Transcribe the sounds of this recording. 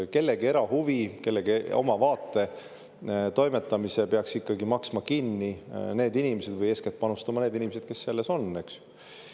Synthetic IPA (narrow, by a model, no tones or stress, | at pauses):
ke̞lːe̞ɡie̞ɾɑhuvike̞lːeɡieo̞̰mɑvɑːt̪ːˑe̞ | t̪o̞jmet̪ːˑɑmisepeɑksikːɑɡimɑksmɑkinːine̞ːd̪inimese̞d̪vɯje̞sket̪̚pɑnust̪ɑmɑneːd̪inʲimesed̪̥ke̞sːe̞lːe̞so̞nːe̞ksu̥